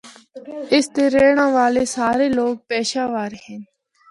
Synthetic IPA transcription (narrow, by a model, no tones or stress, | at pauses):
ɪst̪eːɾeːɽ̃ãːʋaːleːsaːɾeːloːɡ̚pɛːʃaːʋaːɾɦɛn